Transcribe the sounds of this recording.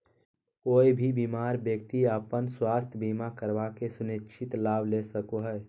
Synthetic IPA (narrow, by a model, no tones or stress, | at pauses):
koːibʱibimaːɾbjəkt̪iəpənswaːst̪ʰjəbimakəɾbakesʊniʃʰɪt̪laːbʱlesəkoɦɛ